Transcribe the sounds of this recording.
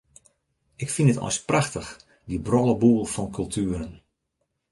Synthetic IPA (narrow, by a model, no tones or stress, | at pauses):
ɪkfinətɔ̰jspraxtəx | dibrɔlˠəbuːlˠfɔnkʰɵlˠtʰyəɾən